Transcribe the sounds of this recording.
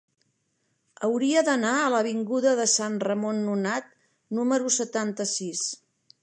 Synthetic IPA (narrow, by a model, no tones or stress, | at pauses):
əwɾiəðənaələβ̞iŋɡuðəðəsanrəmonːunat̪ | numəɾusət̪ant̪əsis